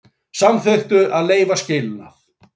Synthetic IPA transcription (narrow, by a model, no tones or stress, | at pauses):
samθœɥht̪ʏʔaðleːjvascɪnna̰θ